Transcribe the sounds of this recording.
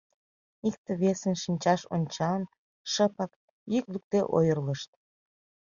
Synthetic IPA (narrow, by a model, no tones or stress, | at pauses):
ik̚t̪ə̆βesənʃinʲt͡ɕɑʃo̰nʲt͡ɕɑn | ʃəpək | jyklyk̚t̪eʔo̰jərləʃt̪̚